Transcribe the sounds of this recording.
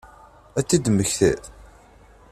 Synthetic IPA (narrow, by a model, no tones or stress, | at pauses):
æt͡sːid̪məçθḛ